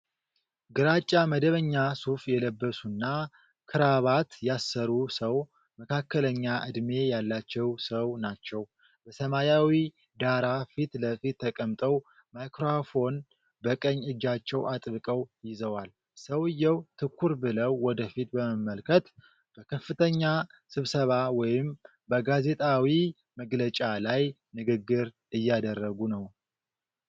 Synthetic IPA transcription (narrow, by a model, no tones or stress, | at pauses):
ɡɨɾat͡ʃʼːaməd̪əβəɲːasufjɛləbːəsunːa | kʰɨɾaβat̪jasːəɾusəw | məkʰakʰːələɲːaʔɨd̪me̞jalːat͡ʃːɛwsəwnat͡ʃːɛw | bəsəmajawi | d̪aɾafit̪ləfit̪ʰːəkʼəmt̪ʼəw | majkʰɾofo̞n | bəkʼəɲːɨd͡ʒːat͡ʃːɛwʔat̪ʼβɨkʼəwjɪzəwal | səwɨjːɛwt̪ʰɨkʰʷːuɾbɨləwːɔd̪əfit̪bəməmːəlkʰət̪ | b̥əkʰəfːɨt̪ʰəɲːa | sɨβsəβawɔjɪm | bəɡaze̞t̪ʼawi | məɡlət͡ʃʼalaj | nɨɡɨɡːɨɾ | ɨjːad̪ərːəɡunəw